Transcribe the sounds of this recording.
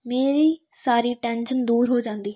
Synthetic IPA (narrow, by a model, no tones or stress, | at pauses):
meːɾiː | saːɾiːʈɛːnʃənd̪uːɾɦoːd͡ʒãːnd̪iː